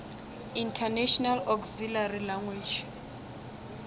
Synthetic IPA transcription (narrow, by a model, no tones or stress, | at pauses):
intʰanɛʃɔnalɔkzilarilaŋɡwid͡ʒ